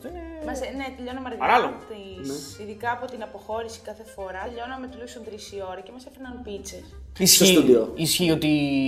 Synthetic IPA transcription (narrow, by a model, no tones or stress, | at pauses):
eemɐsenet̪eʎo̞nɐmɐɾɣɐpɐɾɐloɣot̪ineiðikɐːpo̞t̪inɐpo̞xo̞ɾisi̥kɐθe̞fo̞ɾɐʎo̞nɐmet̪ilusunt̪ɾisio̞ɾɐce̞mɐsepenɐnpit͡sesisçesud̪ioisçio̞t̪i